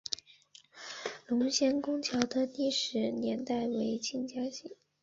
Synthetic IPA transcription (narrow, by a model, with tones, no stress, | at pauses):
lʊ˧˥ŋɕjɛ˥nkʊ˥ŋt͡ɕʰjɑ˧˥ʊd̪ə˧t̪i˥˩ʂɻ̩˧˥njɛ˧˥nt̪a˥˩ɪwe˧˥ɪt͡ɕʰi˥˩ŋt͡ɕja˥ɕi˥˩˦